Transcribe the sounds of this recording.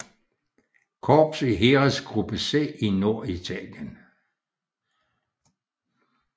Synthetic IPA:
kʰɒːb̥siɦeːʁɐsɡ̥ʁub̥əsḛino̝ɐ̰it͡sʰɛ̰ljən

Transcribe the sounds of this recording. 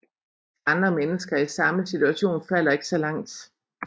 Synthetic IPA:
ɑ̈nd̥ʁɐmenəsɡ̥ɐisɑ̈məsit͡sʰuæɕo̝̰ːnfæl̰ɐe̝ɡ̥sɒ̽lɑ̈ŋ̰d̥

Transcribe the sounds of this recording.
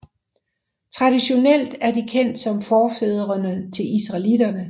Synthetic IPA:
t͡sʰʁɑ̈d̥iɕo̝nel̰d̥æɐd̥ikʰen̰d̥sɒ̽mfɒːfeð̞ˠɐʁɐnət͡sʰe̝lisʁɑ̈lid̥ɐnə

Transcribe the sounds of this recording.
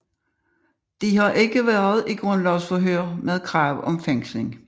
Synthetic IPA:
d̥ihɑ̈ʔe̝ɡ̥əʋæɐð̞̩ˠiɡ̥ʁɔ̽n̰lɒʊsfɒɦøɐ̰með̞ˠkʰʁɑ̈ːʊɒ̽mfeŋ̰sle̝ŋ

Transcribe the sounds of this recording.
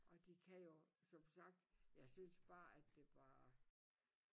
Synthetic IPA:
ʔɒ̽d̥ikʰæjo̝sɒ̽msɑ̈ɡ̥̚d̥jɑ̈ɪsynsb̥ɑ̈ːæd̥ːe̝ʋɑ̈

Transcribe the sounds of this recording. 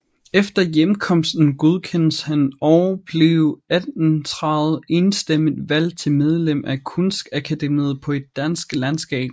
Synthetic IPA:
efd̥ɐjemkʰɒ̽m̰sd̥n̩ɡ̥oð̞ˠkʰen̰əshænɒʊɐb̥leʊæd̥nt͡sʰʁɑ̈ð̩ˠe̝nsd̥eməð̩ˠʋæl̰t͡sʰe̝lmeð̞ˠlem̰ækʰɔnsɡ̥ækʰæd̥emið̩ˠpʰɒ̽e̝d̥ːænsɡ̥lænsɡ̥ɛ̰ːb̥̚

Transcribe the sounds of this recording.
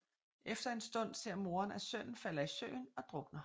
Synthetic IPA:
ʔefd̥ɐe̝nsd̥ɔ̽n̰se̝ɐ̰mo̝ːɐnæsøn̰n̩fæl̰ɐisø̰ːɪnɒ̽d̥ʁɔ̽ɡ̥nɐ

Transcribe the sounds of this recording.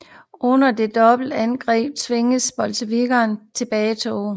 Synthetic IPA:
ʔɔ̽nɐd̥e̝d̥ɒ̽b̥l̩d̥ænɡ̥ʁɛ̰ːb̥̚t͡sʰʋe̝ŋəsb̥ɒ̽lsəʋiɡ̥ɐːnt͡sʰe̝b̥ɛːɪt͡sʰo̰ː

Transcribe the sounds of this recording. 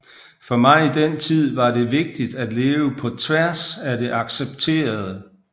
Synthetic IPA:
fɒ̽mɑ̈ɪid̥en̰t͡sʰið̞̰ˠʋɑ̈de̝ʋe̝ɡ̥̚d̥id̥æd̥le̝ːʊəpʰɒ̽t͡sʰʋæɐsæde̝ʔɑ̈ɡ̥seb̥̚t͡sʰe̝̰ːɐð̞ˠə

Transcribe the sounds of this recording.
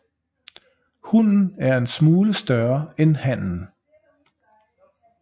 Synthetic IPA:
hunn̩æɐe̝nsmuːləsd̥ɶɐenhæn̰n̩

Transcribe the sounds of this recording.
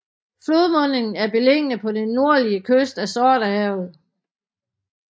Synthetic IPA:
flo̝ðˠmɔ̽n̰e̝ŋn̩æɐb̥e̝leŋ̰ənəpʰɒ̽d̥enːo̝ɐliəkʰøsd̥æsɒːɾəɛʊð̩ˠ

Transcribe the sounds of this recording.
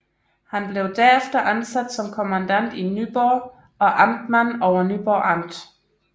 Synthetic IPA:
hænb̥le̝ʊd̥æɐ̰efd̥ɐʔænsæd̥sɒ̽mkʰo̝mænd̥æn̰d̥inyb̥ɒ | ɒ̽ʔɑmd̥mænɒʊɐnyb̥ɒɑ̈m̰d̥

